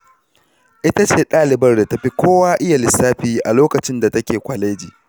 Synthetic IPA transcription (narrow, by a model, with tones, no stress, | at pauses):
ʔɪ˦ta˦t͡ʃeː˦˨ɗaː˦lɪ˨bɐ˦rda˨tɐ˨ɸi˦kʷoː˦waː˦ʔɪ˦ja˨lɪ˨sːaː˦ɸiː˦ʔa˨loː˦kɐ˨t͡ʃɪ˦nda˨tɐ˦kʲeː˨kʷɐ˨le˦d͡ʒiː˨